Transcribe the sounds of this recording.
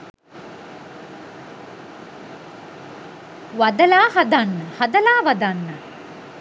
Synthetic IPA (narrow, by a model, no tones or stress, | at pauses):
ʋɐd̪ɐlaːhɐd̪anːəhɐd̪ɐlaːʋɐd̪anːə